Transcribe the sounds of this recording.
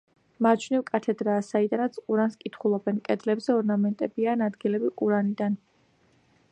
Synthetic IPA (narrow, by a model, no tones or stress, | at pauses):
maɾt͡ʃʰnivkʼat̪ʰɛd̪ɾaːsaid̪anat̪sʰqʼuɾanskʼit̪ʰχulˠɔbɛnkʼɛd̪lɛbzɛɔɾnamɛnt̪ʼɛbianad̪ɡilɛbiqʼuɾanid̪an